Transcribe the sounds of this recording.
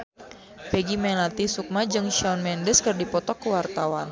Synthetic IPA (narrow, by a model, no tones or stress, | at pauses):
pɛɡimɛlat̪isuk̚mad͡ʒɨŋʃaunmɛndəskɨrdipɔt̪ɔkːəwart̪awan